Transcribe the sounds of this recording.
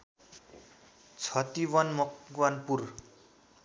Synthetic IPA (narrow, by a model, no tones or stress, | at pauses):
t͡sʰʌt̪iwʌnmʌkɡwanpur